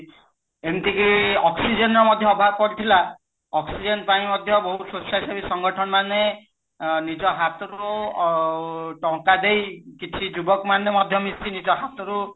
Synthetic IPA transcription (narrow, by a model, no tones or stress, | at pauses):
ent̪ikiɔksid͡ʒenɔɔmɔd̪ʱjɔɔbʱab̚kɔɾit̪ʰila | ɔksid͡ʒenpaĩmɔd̪ʱjɔbɔɦususasabisɔŋɡɔʈʰɔnmane | nid͡ʒɔɦat̪ɔɾu | ʈɔ̃kad̪ejkit͡ʃʰid͡ʒubɔkmanemɔd̪ʱjɔmist̪inid͡ʒɔɦat̪ɔɾu